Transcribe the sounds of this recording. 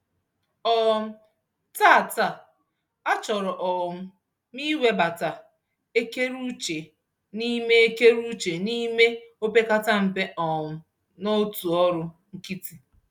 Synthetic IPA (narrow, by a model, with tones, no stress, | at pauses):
ɔ˨m̩˦ | ta˦˨ta˨ | a˦t͡ʃɔ˨ɾɔ˨ʔɔ˨m̩˦ | mi˦we˦ba˨ta˨ | e˦ke˦ɾu˦t͡ʃe˨ | ni˦me˦e˦ke˦ɾu˦t͡ʃe˨ni˦me˦o˦pe˦ka˦ta˦m̩˨pe˦ʔɔ˨m̩˦ | nɔ˦tu˨ɔ˦ɾʊ˦ŋ̩˦ki˦ti˨